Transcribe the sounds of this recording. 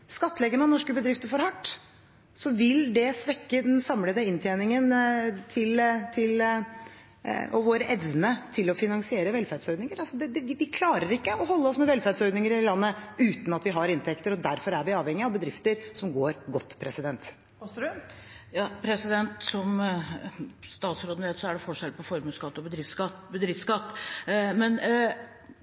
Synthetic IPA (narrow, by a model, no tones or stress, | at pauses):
skɑt̪ːəlɛɡənɑnɔʂkəbəd̪ɾɪft̪əfɔɾhɑʈː | sɔʋɪld̪ɛsʋɛkːəd̪ɛnsɑmləd̪əɪnt̪ʰjeːnɪŋənt̪ʰɪlt̪ʰɪl | ʔɔ̰ʋoːɾəʔɛʋnət̪ʰɪlɔfɪnɑŋsɪeːɾəʋɛlfæd̪sœʏd̪nɪŋəɾɑlsɔd̪ɛd̪ɛɪʋɪkʰlɑːɾəɾɪkːəɔɦɔlːəɔsmɛʋɛlfæd̪sɔʏd̪nɪŋəɾɪlɑnːəʉːt̪n̩ɑt̪ʋɪɦɑɾɪnt̪ʰɛkt̪əɾɔd̪æɾfɔɾæɾʋɪɑːʋhɛŋːɪɑʋbəd̪ɾɪft̪əɾsɔmɡoːɾɡɔt̪ːpʰɾɛsɪd̪ɛnt̪ | jɑːpʰɾɛsɪd̪ɛnt̪sɔm | st̪ɑːt̪sɾoːd̪nəʋeːt̪sɔæɖɛfɔʂɛlpʰɔfɔɾmʉskɑt̪ːɔbəd̪ɾɪft̪skɑt̪ːbəd̪ɾɪft̪skɑt̪ːmɛn